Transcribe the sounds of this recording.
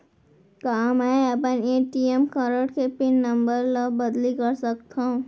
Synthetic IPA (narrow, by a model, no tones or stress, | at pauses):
kaːmɛ̃ɐpəneːʈiemkɐɾəʈkepɪnːɐ̃mbəɾlabɐd̪likɐɾsɐkt̪ʰaɦũ